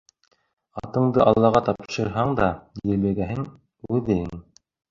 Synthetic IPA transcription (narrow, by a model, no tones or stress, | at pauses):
ɑ̰t̪ɤ̆ɴd̪ɤʔɑlˠːɑʁɑt̪ɑpʃɤ̆ɾɦɑɴd̪ɑjɘlæɡæɦɘŋ | ʉðɘɘŋŋ